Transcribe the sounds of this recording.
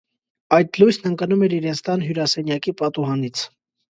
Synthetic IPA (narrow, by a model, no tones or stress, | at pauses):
ɑjt̪lujsnəŋkɑnumɛɾiɾɛnt͡sʰt̪ɑnɦjuɾɑsɛnjɑkipɑt̪uɦɑnit͡sʰ